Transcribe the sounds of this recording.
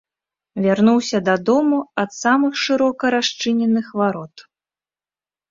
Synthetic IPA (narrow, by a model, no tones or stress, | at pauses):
vʲarnuwsʲɐd̪ad̪ɔmuɐt̪samɨxʂɨɾɔkɐɾaʂt͡ʂɨnʲɛnɨxvaɾɔt̪